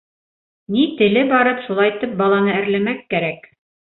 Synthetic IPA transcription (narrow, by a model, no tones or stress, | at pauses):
nit̪ɘ̆lɘbɑɾɤpʃulˠɑjt̪ɤp̚bɑlˠɑnɤæ̆ɾlæ̆mækːæɾæk